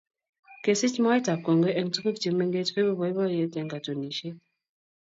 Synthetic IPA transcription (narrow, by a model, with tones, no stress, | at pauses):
ke˨si˦t͡ʃmɔ˦e˦ta˨p̚ko˨ŋɡe˦ʔɛ˨ŋ̩˦tu˦ki˦k̚ti˨me˦ŋɡe˦tke˦bu˦bɔ˨˦e˦bɔ˦je˨˦tɛ˨ŋɡa˨to˨ni˨ʃe˦